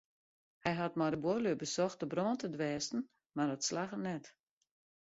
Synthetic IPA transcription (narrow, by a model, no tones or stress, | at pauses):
hɛjɦatmɔdəbolybəsɔxt̚dəbrɔːntədʋɛːstn̩ | mardɔtslaxənɛt